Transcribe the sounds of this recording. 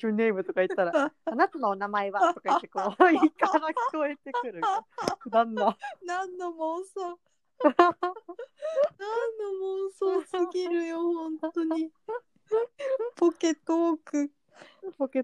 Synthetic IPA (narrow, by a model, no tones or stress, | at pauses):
oːne̞ːmɯ̟t̪o̞kait̪ːaɾaanat̪ano̞ːnamae̞βat̪o̞kakekoːiikaɾakʲi̥ko̞e̞t̪e̞kɯ̟ɾɯnãnːanãnːomoso | nanːomõsosɨɡʲiɾɯ̟johõ̞nt̪o̞ɲi | poke̞t̪ːookɯ̟ | poke